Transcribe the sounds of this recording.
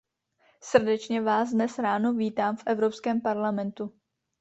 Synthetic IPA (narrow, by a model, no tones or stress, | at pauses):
sr̩dɛt͡ʃɲɛvaːsdnɛsɾaːnoviːt̪aːmfʔɛvɾopskɛːmpaɾlamɛnt̪u